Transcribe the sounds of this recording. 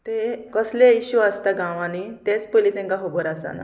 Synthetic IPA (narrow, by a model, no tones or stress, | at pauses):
t̪ekəsleiɕuast̪aɡãʋanit̪et͡spəlit̪ɛ̃ŋkaɦoboɾasa̰na̰